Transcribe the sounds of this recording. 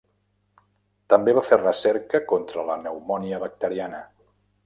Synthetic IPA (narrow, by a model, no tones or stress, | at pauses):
t̪əmbeβaferəsɛɾkəkɔnt̪ɾələnəwmɔniəβək̚t̪əɾianə